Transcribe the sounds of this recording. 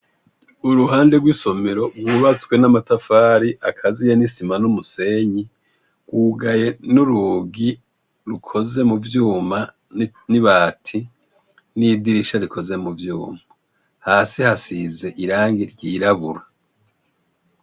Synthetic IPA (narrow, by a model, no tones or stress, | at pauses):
uɾuɦaːnde̞ɡwiːso̞meɾo̞bɡwuβat͡swe̞namatafaːɾiʔakʰazijenisimanumuse̞ɲi | ɡ̥wuːɡaje̞nuɾuːɡi | ɾukʰo̞ze̞muvjuːma | niβaːtʰi | nidiɾiʃaɾikʰo̞ze̞muvjṵːma | haːsihasize̞ʔiɾaːŋɡiɾɟiːɾaβuɾa